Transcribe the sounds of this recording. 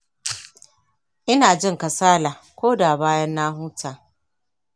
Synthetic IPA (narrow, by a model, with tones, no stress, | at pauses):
ʔɪ˦naː˨d͡ʒɪ˦ŋkɐ˨saː˦la˨kʷoː˦da˨baː˦jɐ˦nːaː˦ɦuː˦taː˨